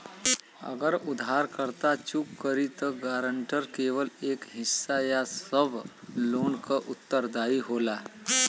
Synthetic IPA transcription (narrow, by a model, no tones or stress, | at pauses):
ə̰ɡəɾud̪ʱɦaɾkəɾt̪at͡ʃukːəɾit̪əɡaɾəɳʈəɾkeʋəlekɦɪsːajasəbloːnkəʔut̪ːəɾd̪aiɦola